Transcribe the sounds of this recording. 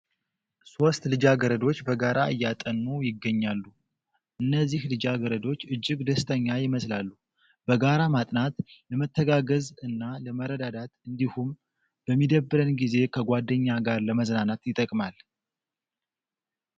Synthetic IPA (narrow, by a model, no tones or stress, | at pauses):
so̞st̪lɨd͡ʒaɡəɾəd̪o̞t͡ʃːbəɡaɾaɨjːat̪ʼənːujɪɡːəɲːalːu | ʔɨnːəzːihlɨd͡ʒaɡəɾəd̪o̞t͡ʃːɨd͡ʒːɪɡd̪əst̪ʰəɲːajɪməslalːu | bəɡaɾamat̪ʼnat̪ləmət̪ʰːəɡaɡəzɨnːaləməɾəd̪ad̪at̪ɨnd̪ihum | b̥əmːid̪əbːɨɾənɡize̞kʰəɡʷad̪ːəɲːaɡaɾləməznanat̪jɪt̪ʼəkʼmal